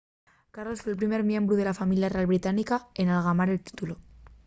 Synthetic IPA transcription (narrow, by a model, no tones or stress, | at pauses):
kaɾlosfwelpɾime̞ɾmje̞mbɾuð̞e̞lafamiljare̞alβɾit̪anikae̞nalɣ̞amaɾe̞lt̪i̥t̪ulo